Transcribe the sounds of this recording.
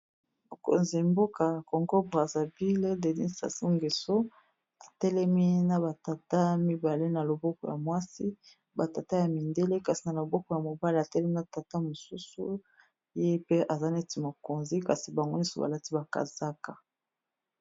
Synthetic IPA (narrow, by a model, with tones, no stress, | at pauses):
mo˨ko̰˨nzi˨mbo˦ka˨kɔ˨ŋɡo˦bʁa˨za˨bi˦le˦de˨nḭ˦sa̰˨si˦ŋɡe˨so˦ | a˨tɛ˦lɛ˦mi˦na˨ba˨ta˨ta˦mi˦ba˨le˦na˨lo˨bɔ˦kɔ˨ja˨mwa˦si˦ | ba˨ta˨ta˦ja˨mi˨nde˦le˦ka˨si˨na˨lo˨bɔ˦kɔ˨ja˨mo˨ba˦li˨a˨tɛ˦lɛ˦mi˦na˨ta˨ta˦mo˨su˦su˦ | je˦pe˦ʔa˨za˦ne˦ti˨mo˨ko˨nzi˦ka˨si˨ba˨ŋɡo˦ni˦so̰˦ba̰˨la˦ti˦ba˨ka̰˨za˦ka˨